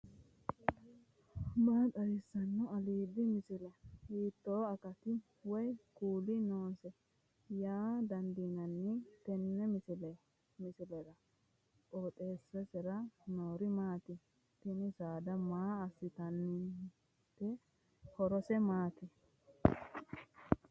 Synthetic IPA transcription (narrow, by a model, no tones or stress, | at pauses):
baːt̪ʼɐɾɪsːɐnːʊɐliːd̪ɪmɪsɪlɛhiːt̪ːoːɐkɐt̪ɪ | wɔjkuːlɪnoːsɛ | jaːd̪ɐnd̪inɐnːɛt̪ɛnːɛmɪsɪlɛ | mɪsɪlɛɾɐ | ʔʼoːt̪ʼeːsːɛsɛɾɐnoːɾɪmaːt̪ɪ | t̪ɪnɪsaːd̪ɐmaːɐsɪt̪ɐnːɪ | t̪ːɛ | hɔɾɔsɛmaːt̪ɪ